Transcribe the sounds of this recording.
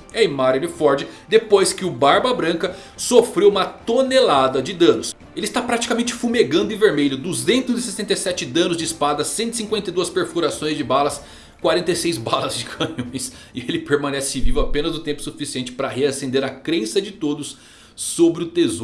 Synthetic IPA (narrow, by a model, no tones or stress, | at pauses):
ɛjmaɾonɪfɔɾd͡ʒɪd̪epojskɪʊbaɾbɐbɾɐ̃ŋkɐ | sofɾewũmɐt̪onelad̪ɐd͡ʒɪd̪ɐ̃nʊs | elɪst̪apɾat͡ʃi̥kamẽnt͡ʃɪfumeɡɐ̃nd̪ʊɪ̃veɾmeʎʊd̪uzẽnt̪ʊzɪsesẽnt̪ejsɛt͡ʃɪd̪ɐ̃nʊzd͡ʒɪːspad̪ɐsẽnt̪isĩkwẽnt̪ɐjd̪uɐspeɾfuɾasõj̃zd͡ʒɪbalɐs | kwaɾẽnt̪ejsejzbalɐzd͡ʒɪkʰɐ̃ɲõj̃s | ɪelɪpeɾmɐ̃nɛsɪvivʊapẽnɐzʊt̪ẽpʊ̥sufisiẽnt͡ʃɪ̥pɾɐɦeasẽnd̪eɾɐkɾẽsɐd͡ʒɪt̪od̪ʊsː | obɾɪʊt̪ezoɾ